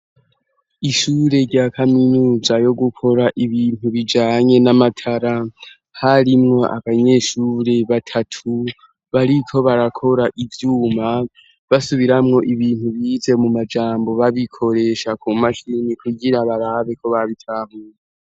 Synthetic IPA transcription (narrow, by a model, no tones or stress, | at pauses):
iʃuːɾe̞ɾɟaːkʰaminuːzajo̞ɡukʰo̞ɾaʔiβiːn̥huβid͡ʒaːɲe̞namatʰaɾa | haɾimŋo̞ʔa̰βaɲe̞ʃuːɾe̞βatʰatʰu | βaɾikʰo̞βaɾakʰo̞ɾaʔivjuːma | βasuβiɾamŋo̞ʔiβiːnhuβiːze̞mumad͡ʒaːmbo̞βaβikʰo̞ɾe̞ʃakʰumaʃinikʰuɟiɾaβaɾaβe̞kʰo̞βaβitʰaːmuːje